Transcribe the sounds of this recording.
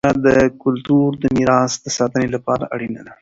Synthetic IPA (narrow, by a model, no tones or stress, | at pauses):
ad̪əkʊlt̪uɾd̪əmiɾɑsd̪əsɑt̪ənelapɑɾa̰ʔaɽinad̪a